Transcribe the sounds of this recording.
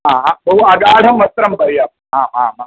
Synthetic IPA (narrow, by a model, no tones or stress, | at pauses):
ɦaːɦãbɐɦuɐɡaːɽ̤ʱɐmːɐst̪ɾɐmbɐɾjaːp̚ | ɦaːma̰ːmaː